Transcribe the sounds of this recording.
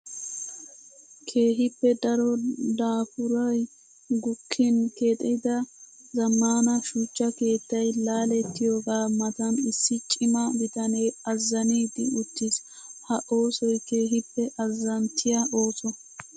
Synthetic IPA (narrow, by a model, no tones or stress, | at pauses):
kʰe̞ːɦɪpːɛd̪ɐɾɔd̪aːfʊɾɔj | ɡʊkʰːɪnke̞ːt̪ʼɛd̪ɐ | zɐmːaːnɐʃut͡ʃːɐke̞ːt̪ːɐjlaːlɛt̪ːɪjo̞ːɡaːmɐt̪ɐnɪsːɪt͡ʃʼɪmɐbɪt̪ɐneːɐzːɐniːd̪ɪʊt̪ːɪshɐʔo̞ːsɔjke̞ːɦɪpːɛʔɐzːɐnt̪ʰːɪjɐʔo̞ːsɔ